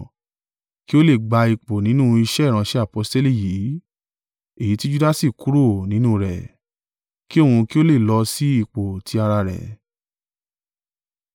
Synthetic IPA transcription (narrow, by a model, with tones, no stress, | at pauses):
ki˦o˦le˦˨ɡ͡ba˧i˨k͡po˨nĩ˨˦nũ˦i˧ʃɛ˦˨ɾ̃ã˧ʃɛ˦a˦˨po˧˦ste˦li˦˨jiː˨˦ | e˦˨ji˨˦ti˦d͡ʒu˦da˦si˦˨ku˦ɾo˦˨nĩ˨˦nũ˦ɾɛ̰˨ | ki˦o˦˨ũ˧ki˦o˦le˦˨lɔ˧si˦i˦˨k͡po˨tʰi˧˦a˧ɾa˧ɾɛ̰˨